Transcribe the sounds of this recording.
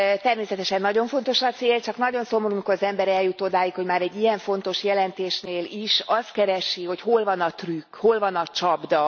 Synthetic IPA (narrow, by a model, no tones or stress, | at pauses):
t̪ɛrmeːsɛt̪ɛʃɛnːɒɟo̞ɱfo̞n̪t̪o̞ʃɒt̪seːlt͡ʃɒkn̪ɒɟo̞nso̞moɾumikoɾɒzɛmbɛɾɛljut̪oːd̪aːjikho̞ɟmaːɾɛɟːijɛɱfo̞nt̪o̞ʃjɛlɛnt̪eːʃneːliʃɒst̪kɛɾɛʃiɦo̞cho̞lvɒnɒt̪rykho̞lvɒnɒt͡ʃɒbd̪ɒ